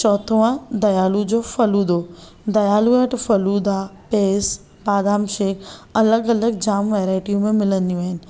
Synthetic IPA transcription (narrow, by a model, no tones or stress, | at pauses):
t͡ɕɔːt̪ʰəãd̪ɐjaːlud͡ʑofɐluːd̪oː | d̪ɐjaːluəʈfɐluːd̪apeːs | baːd̪aːmʃeːkɐləɡɐləɡd͡ʑaːmʋɛːɾaːɪʈijũmẽmɪlə̃nd̪ijũaːɦɪnɪ̆